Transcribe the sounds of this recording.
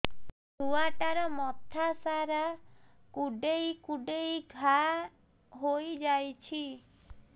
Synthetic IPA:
d̪uaʈaɾɔmɔt̪ʰasaɾa | kuɖejkuɖejɡʱa | ɦojd͡ʒajt͡ʃʰi

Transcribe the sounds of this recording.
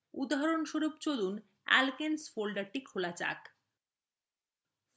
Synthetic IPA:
ud̪ɦaɾonʃoɾupt͡ɕod̪un | ɛ̰lkensfolɖaɾʈikʰolat͡ɕa̰k

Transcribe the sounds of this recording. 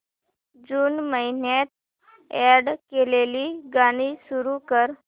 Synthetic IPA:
d͡zuːnməinjat̪̚ | ɛɽkeleliːɡaɽ̃iːsuɾukəɾ

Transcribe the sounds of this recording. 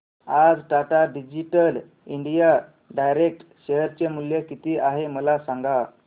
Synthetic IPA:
ad͡zʈaʈaɖid͡ʑiʈəl | iɳɖija | ɖajɾek̚ʈɕeɦəɾt͡semuljekit̪iːʔaɦeməlasaŋɡa

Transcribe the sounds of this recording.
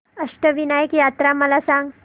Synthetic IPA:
əʂʈəʋinəjəkjat̪ɾaməlasãŋɡ

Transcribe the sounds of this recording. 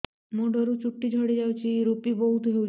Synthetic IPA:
moɖʱɔɾut͡ʃuʈːid͡ʒʱɔɽid͡ʒawt͡ʃʰiɾupibɔɦut̪ʰɦew

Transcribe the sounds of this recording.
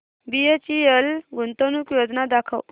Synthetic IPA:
biet͡ɕijəlɡʱunt̪onukjod͡znad̪akʰə̰w

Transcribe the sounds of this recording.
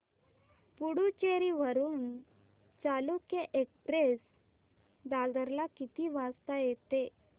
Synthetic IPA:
puɽut͡ɕeɾiːʋəɾuːn | t͡salukjeʔekpɾes | d̪ad̪əɾlakit̪iːʋast̪ajet̪e

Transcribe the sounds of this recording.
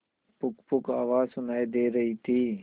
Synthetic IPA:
pʊkpʊkaːʋaːzsʊnaːid̪eːɾɐɦit̪ʰiː

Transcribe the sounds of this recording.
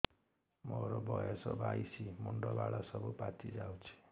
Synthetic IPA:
moɾobʌjesʌbajsimuɳɖɔbaɽasʌbupat̪ʰid͡zawt͡sʰi̥

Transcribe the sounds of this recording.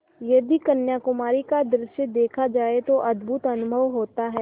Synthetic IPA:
jɐd̪ikɐnjaːkʊmaːɾikad̪ɾɪʃjəd̪eːkʰad͡ʒaːet̪oʔɐd̪bʱut̪ɐnʊbʱəʋɦoːt̪aɦɛː

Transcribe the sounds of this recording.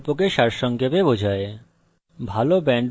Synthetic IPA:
pokeʃaɾʃɔŋkebebod͡ʑʱae | bʱalobɛɳɖ

